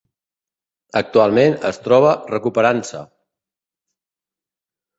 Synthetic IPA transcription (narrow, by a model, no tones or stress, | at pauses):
ək̚t̪ualˠmenəst̪ɾɔβ̞ərəkupəɾansə̰